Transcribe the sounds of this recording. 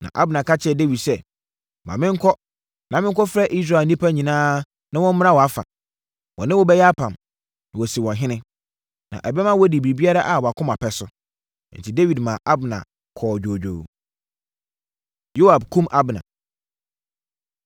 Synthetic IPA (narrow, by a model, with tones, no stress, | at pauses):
nã̰˨ʔa˦bɪ˨nã˨ka˦t͡ɕʰɪ˦ɛ˨de˦wi˨dsɛ˦˨ | mã̰˨mɪ̃˦ŋ̩˦kʰɔ˦ | nã˨mɪ̃˦ŋ˦kɔ˦fɾɛ˦ʔi˦s̬ɾa˨nĩ˦pʰa˦ɲĩ˨nãː˦ | nã˦wɔ̃˦m̩˦a˦wɔ˨a˦fa̰˨ | wɔ̰̃˨nɪ̃˦wɔ˦bɛ˦jɛ˦a˦pʰã˨m | nã˨wɔ˨si˨wɔ̃˨ɦɪ̃˦nɪ̃˦ | nã̰˨ʔɛ˨bɛ˦mã˦wɔ˦di˨bi˨bi˦a˦ɾa˦ʔa˨wɔ˨a˨kʰʊ̃˦ma˨pɛ˨sʊ˦ | n̩˨tʰi˨de˦wi˨dmã˨ʔa˦bnã̰˨ | kʰɔː˨d͡ʑᶣoː˨d͡ʑᶣo̰˨ | jo˦wa˨b̚kʰũ˦mʔa˦bɪ˨nã̰˨